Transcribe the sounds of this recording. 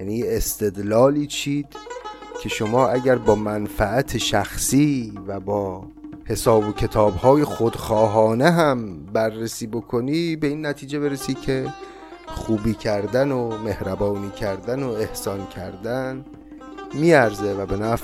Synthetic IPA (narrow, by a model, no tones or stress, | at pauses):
jæniːjeest̪ʰe̞d̪lɒːliːt͡ʃʰiːd̪̥ | cʰe̞ʃo̞mɒːʔæɟæɾbɒːmænfæʔæt̪ʰeʃæxsiːvæbɒː | he̞sɒːbocʰe̞t̪ʰɒːbhɒːje̞xod̪xɒːɦɒːne̞ɦæmbærːesiːbo̞kʰo̞niːbe̞iːnːæt̪ʰiːd͡ʒe̞be̞ɾesiːd̪cʰe̞ | xuːbiːcʰæɾd̪ænome̞hɾæbɒːniːcʰæɾd̪ænoe̞hsɒːncʲʰæɾd̪æn | miːæɾze̞væbe̞næːf